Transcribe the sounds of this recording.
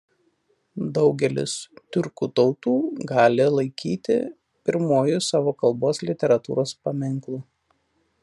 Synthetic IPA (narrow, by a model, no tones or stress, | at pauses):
d̪ɒʊɡʲɛlʲɪ̰st̪ʲʊɾkuːt̪ɒʊt̪uːɡɑːlʲɪlˠɐɪkʲiːt̪ʲɪ̰ | pʲɪɾmoːjʊsɑːʋoːkɐlˠboːslʲɪt̪ʲɛɾɐt̪ṵːɾoːspɐmʲɪŋˑklˠuː